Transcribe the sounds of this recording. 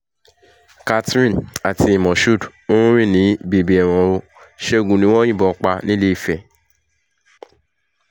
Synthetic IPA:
ka˧tɾĩ˦na˨ti˧i˨mɔ̃˨ʃu˦˨do˦ɾ̃ũ˦ɾ̃ĩ˦˨nĩ˨˦be˨bi˨ɛ˨w̃ɔ̃˨o˧ | ʃe˦o˨ɡũ˨nĩ˦w̃ɔ̃˦j̃ĩ˦˨bɔ˨˦k͡pa˧nĩ˦le˦˧˨fɛ˨

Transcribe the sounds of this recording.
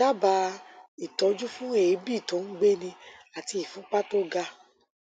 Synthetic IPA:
a˦ba˧i˨tɔ˧d͡ʒu˦fũ˦e˨˦bi˦˨tõ˨˦n̩˦ɡ͡be˦nĩ˧a˨ti˧i˨fũ˨˦k͡pa˦to˦ɡa˧

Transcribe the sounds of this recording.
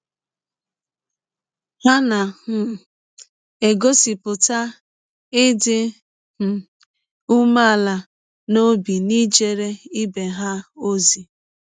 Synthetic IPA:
ha˦na˨hʊ˨ | e˨ɡo˦si˨pʊ˨ta˦ | ɪ˦dɪ˦ | m̩˨ | u˦ma˦a˨la˨ | no˦bi˨ni˦d͡ʒe˦ɾe˦i˦be˨ɦa˦o˦zi˨

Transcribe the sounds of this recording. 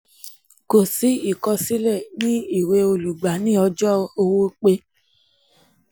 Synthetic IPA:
ko˨si˨˦i˦˨kɔ˧si˦lɛ˦˨nĩ˦i˦˨we˧o˧lu˨ɡ͡ba˨˦nĩ˦ɔ˧d͡ʒɔ˦o˧wo˦k͡pe˧˦

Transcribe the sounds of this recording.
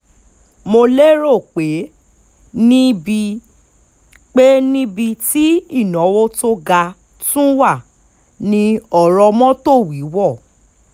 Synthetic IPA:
mo˧le˦ɾo˦˨k͡pe˨˦ | nĩ˦bi˧ | k͡pe˦nĩ˦bi˧ti˦i˦˨nɔ̃˨˦wo˦to˦ɡa˧ | tũ˦wa˦˨ | nĩ˧ɔ˨ɾɔ˧mɔ̃˦to˦˨wi˨˦wɔ˦˨

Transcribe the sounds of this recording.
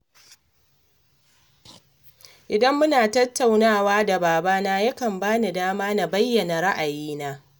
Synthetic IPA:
ʔɪ˨dɐ˦mːʊ˦naː˨tɐ˦tːa˨wnaː˦˨waː˦da˨baː˨baː˦naː˦ja˦kɐ˨mbaː˦ni˨daː˦maː˦na˨bɐ˦jːɐ˨na˨ɾa˦ʔa˨jiː˦naː˦

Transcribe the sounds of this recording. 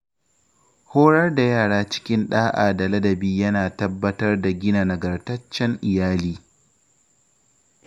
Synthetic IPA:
hoː˦ɽɐ˦rda˨jaː˦˨ɽaː˦t͡ʃɪ̥˦kʲɪ˦nɗaː˦ʔa̰ː˨dɐ˨lɐ˦dɐ˨biː˦jɐ˦naː˨tɐ˦bːɐ˦tɐ˦rda˨ɡʲɪ˦na˨nɐ˨ɡɐ˨rtɐ˦t͡ʃːɛ˦ŋʔɪ˨jaː˦liː˦

